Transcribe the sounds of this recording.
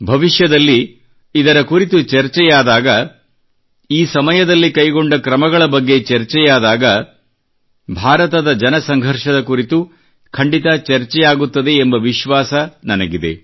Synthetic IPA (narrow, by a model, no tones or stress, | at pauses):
bʱɐʋiʃjɐd̪ɐlːiː | d̪ɐɾɐkuɾit̪ut͡ʃɐɾt͡ʃɛjaːd̪aːɡɐ | iːsɐmɐjɐd̪ɐlːikɐjɡo̞ɳɖɐkɾɐmɐɡɐɭɐbɐɡːe̞t͡ʃɐɾt͡ʃɛjaːd̪aːɡɐ | bʱaːɾɐt̪ɐd̪ɐd͡ʒɐnɐsɐŋɡʱɐɾʃɐd̪ɐkuɾit̪u | kʰɐɳɖit̪ɐt͡ʃɐɾt͡ʃɛjaːɡut̪ːɐd̪e̞ːmbɐʋiʃʋaːsɐnɐnɐɡid̪e̞̰